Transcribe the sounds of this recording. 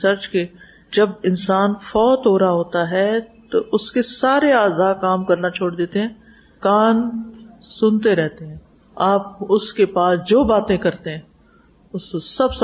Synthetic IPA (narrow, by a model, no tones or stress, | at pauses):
sɐɾt͡ʃke | d͡ʒɐbɪnsaːnfɔːt̪ɦoːɾaɦoːt̪aɦɛt̪oʊskesaːɾeaːzaːkaːmkɐɾnat͡ʃʰoːɽd̪eːt̪eɦɛ̃ː | kaːn | sʊnt̪eɾɛɦt̪eɦɛ̃ː | aːp̚ʊskepaːsd͡ʒoːbaːt̪ẽkɐɾt̪eɦɛ̃ː | ʊskosɐbs